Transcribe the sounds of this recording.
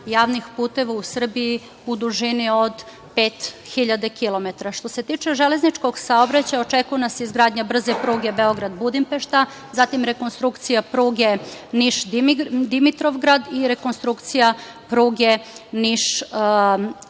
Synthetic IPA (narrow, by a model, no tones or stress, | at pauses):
jaːʋnixpuːt̪e̞ʋausr̩bii | bud̪uʒiniod̪ | peːt̪xiʎad̪ekilˠo̞met̪aɾaʃt̪o̞se̞t̪iːt͡ʃeʒeleznit͡ʃko̞ɡsaobɾat͡ɕajaot͡ʃekujenaseizɡɾaːd̪ɲabr̩zepɾuːɡe̞beo̞ɡɾad̪bud̪impeʃt̪a | zat̪imɾe̞ko̞nst̪ɾukt̪sijapɾuːɡeniʃd̪d̪imit̪ɾo̞ʋɡɾad̪iɾe̞konst̪ɾukt̪sija | pɾuːɡe̞niʃ